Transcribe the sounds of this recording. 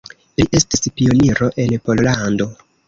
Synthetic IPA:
liʔe̞stispio̞niɾo̞ʔe̞npo̞llando̞

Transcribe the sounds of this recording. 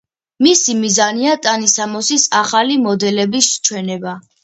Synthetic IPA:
misimizaniat̪ʼanisamɔsisaχalimɔd̪ɛlɛbist͡ʃʰwɛnɛba

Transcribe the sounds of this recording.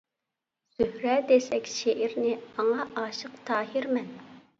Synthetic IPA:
z̥yhɾɛd̪esɛkʲʃeʔɪɾnɪɑŋɑʔɑːʃəqt̪ʰɑːɦiɾmɛn

